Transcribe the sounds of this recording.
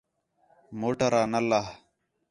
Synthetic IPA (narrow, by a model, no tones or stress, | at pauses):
moːʈəɾaːnəlːaɦ